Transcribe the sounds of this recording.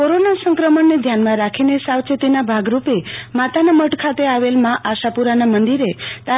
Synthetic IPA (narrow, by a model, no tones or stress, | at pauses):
koɾonasə̃ŋkɾəməɳːed̪ʱjanmãɾakʰinesawt͡ʃət̪inabʱaɡɾupemat̪anaməʈkʰat̪eaʋelmãʔaʃapuɾanamənd̪iɾet̪a